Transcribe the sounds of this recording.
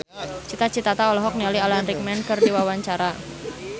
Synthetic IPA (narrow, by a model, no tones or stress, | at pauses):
t͡ʃit̪at͡ʃit̪at̪aɔlɔɦɔk̚nialialanrik̚mɛnkɨrdiwawaɲt͡ʃaɾa